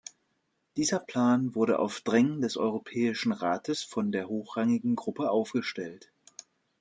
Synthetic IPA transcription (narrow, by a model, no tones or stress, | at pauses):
d̥iːzɐpʰl̥aːnvʊɐɾə̰ʔa̰ʊfd̥ʁɛŋəndɛsʔɔ̰ʏʁopʰɛːɪʃn̩ʁaːtʰəsfɔndeːɐɦoːxʁ̥aŋɪɡŋ̩ɡʁʊpəʔaʊfɡ̥əʃtɛlt